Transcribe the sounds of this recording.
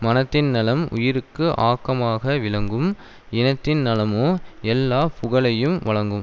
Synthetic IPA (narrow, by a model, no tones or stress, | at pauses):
mɐnɐt̪ːɪnnɪlɐmʊ̰jɪɾɯkːɯʔaːkːɐmaːɣɐʋɪɭɐŋɡɯm | ɪnɐt̪ːɪnnɐlɐmoːɛlːaːpʰʊɣɐɭɐjɯmʋɐɭɐŋɡɯm